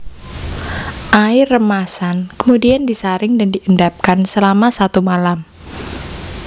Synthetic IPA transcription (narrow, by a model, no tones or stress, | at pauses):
ʔaɪrːəmasankəmudiandisaɾɪŋdandiʔəndap̚kansəlamasat̪umalam